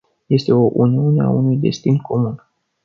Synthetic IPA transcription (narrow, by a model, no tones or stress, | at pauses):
je̞st̪e̞o̞ʔuniunea̰unujd̪e̞̰st̪inkʰo̞mun